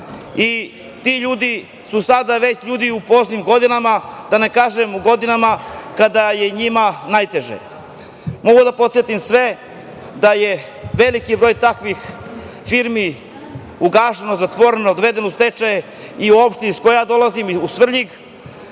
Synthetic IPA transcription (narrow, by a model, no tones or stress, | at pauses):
i | t̪iʎuːd̪i | susad̪aʋe̞t͡ɕʎuːd̪iupo̞znimɡo̞d̪inamad̪anekaːʒemuɡo̞d̪inamakad̪aje̞ɲimanajt̪e̞ʒḛ | mo̞ɡud̪apo̞t̪sjet̪imsʋe̞ | d̪aje̞ | ʋe̞likibɾo̞ːjt̪akʋixfiɾmi | uɡaːʃenozat̪ʋo̞ɾenod̪ʋe̞d̪e̞nost̪et͡ʃaje | iuo̞pʃt̪eiskojjaːd̪o̞lˠazimusʋr̩ʎiɡ